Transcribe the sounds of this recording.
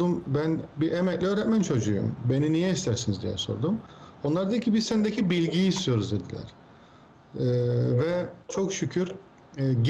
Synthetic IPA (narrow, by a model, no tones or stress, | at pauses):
umbænbiʔemɛclʲiøːɾɛt̪mænt͡ʃʰo̞d͡ʒujṵmbe̞ninijɛist̪ʰæɾsinizd̪ijɛ̰so̞̰ɾd̪umo̞nlˠaɾd̪eilʲcʰibizsend̪ecʰibilʲɟijːst̪ʰijo̞ɾuzd̪e̞d̪ilʲæ̰ɾ̥ | vɛt͡ʃʰo̞kʃycʰyɾ | ɟ